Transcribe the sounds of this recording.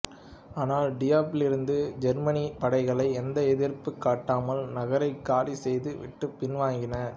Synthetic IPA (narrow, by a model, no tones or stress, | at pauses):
aːnaːlɖɪjaːpɪlɪɾɯnd̪ɯd͡ʒɛɾmɐnipɐɽɐɪɣɐɭɐɪɛnd̪ɐɛðɪɾpɯkːaːʈːaːmɐlnɐɣɐɾɐɪkːaːlisɛjðɯʋɪ̰ʈːɯpːɪnʋaːŋɡɪnɐ